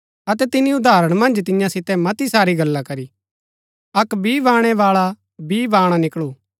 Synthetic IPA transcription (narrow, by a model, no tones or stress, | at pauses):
ɐt̪ɛt̪ɪnĩʊd̪ʱaːɾəɽ̃mɐ̃nd͡ʒt̪̬ɪ̃jãsɪt̪ɛmɐt̪isaːɾiɡɐlːakɐɾi | ɐkbʱiʋãːɽ̃ɛʋaːɭa | biʋaːɽ̃anɪkɭuː